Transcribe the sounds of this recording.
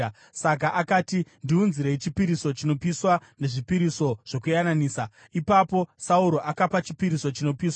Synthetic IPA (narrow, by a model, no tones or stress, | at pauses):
sak̬aʔakaːtindiunziɾeit͡ʃipiɾiso̞t͡ʃino̞piswane̞ʐipiɾiso̞ʐ̥o̞kujananiːsa | ipapo̞sauɾo̞ʔakapat͡ʃi̥piɾiso̞t͡ʃino̞piːswa